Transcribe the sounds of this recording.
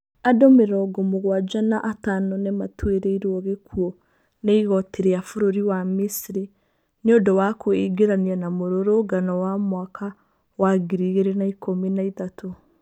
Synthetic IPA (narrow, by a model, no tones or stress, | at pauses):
adomeɾɔɡɔmoɣwad͡ʒanaʔatanɔnematʰweɾeiɾwɔɣekʰuɔ | neiɣɔtʰeɾeafoɾoɾiwamisiɾi | neodɔwakoeɡeɾanianamoɾoɾoːɡanɔwamwakʰa | waɡiɾiɣeɾenaikominaitato